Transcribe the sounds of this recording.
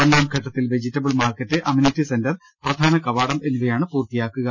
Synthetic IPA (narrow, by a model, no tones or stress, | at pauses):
pɐnːaːmkʰɐʈːɐt̪ːilʋe̞d͡ʑitːɐbɨɭmaːrkɐtːɨʔɐminitːisendɐr | prɐd̪ʱaːnɐkɐʋaːɽɐme̞nːuʋɐjaːɳɨpuːrt̪ijaːkːuɣɐ